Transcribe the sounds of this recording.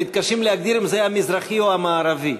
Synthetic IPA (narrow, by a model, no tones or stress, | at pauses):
it̪̚kaʃimlehaɡ̚d̪iɾimzehamizɾaχioamaːɾavi